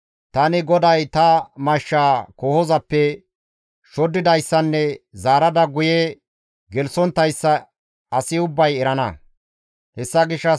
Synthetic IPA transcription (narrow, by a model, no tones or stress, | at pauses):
t̪ɐnɪɡɔd̪ɐjt̪ɐmɐʃːaːkɔhɔzɐpːɛ | ʃɔd̪ːɪd̪ɐjsːɐnːɛzaːɾɐd̪ɐɡʊjɛ | ɡɛlsɔnt̪ːɐjsːɐː | sɪʊbːɐjɛɾɐnɐ̰ | hɛsːɐɡɪʃːɐ